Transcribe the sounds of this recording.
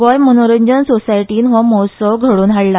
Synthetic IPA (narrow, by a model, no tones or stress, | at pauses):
ʋɔjmənoɾeɲd͡ʑənsosajʈiːnʋɔmɔsəʋɡʱəɽuːnɦaɽla